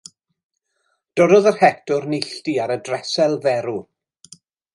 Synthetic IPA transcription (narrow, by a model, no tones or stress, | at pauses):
d̥ɔɾɔðərhɛk̚tʰʊɾnɪɬtiaɾədrɛsɛlˠvɛɾu